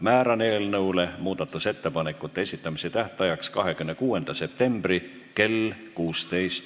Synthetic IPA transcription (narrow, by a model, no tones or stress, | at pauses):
mæːɾɑne̞ːlnɤwle̞muːd̪̥ɑt̪ːˑuse̞t̪ːe̞pɑnekːˑut̪ːˑee̞sit̪ːˑɑmiset̪æht̪ˑɑjɑkskɑɦe̞kymnekuːe̞nd̪̥ɑse̞p̚t̪e̞mb̥ri | ke̞l | kuːst̪e̞jst̪